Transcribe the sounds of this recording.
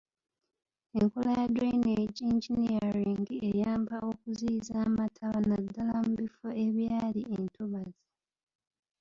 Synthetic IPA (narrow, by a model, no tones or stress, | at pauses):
e̞ŋkolajadɾeineɟiɲd͡ʒiniaɾiːŋɡiejaːmbaʔo̞kuziːzaːmatʰaβanadːalamuβifo̞e̞βjaːliʔentuβazi